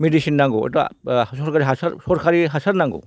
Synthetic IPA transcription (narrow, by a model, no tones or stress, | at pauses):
medisinːaŋɡo̰ɐ̰dɔsɔɾkʰaɾiɦasa̰ɾsɔɾkʰaɾiɦasaɾnaŋɡɔ̰